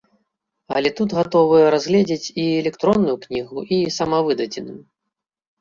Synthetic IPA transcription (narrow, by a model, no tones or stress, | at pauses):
ɐlʲɛt̪ut̪ɣat̪ɔvɨjɛɾazɣlʲɛd͡zʲet͡sʲiɛlʲɛkt̪ɾɔnːujuknʲiɣuʔisamɐvɨd̪ɐd͡zʲɛnɨ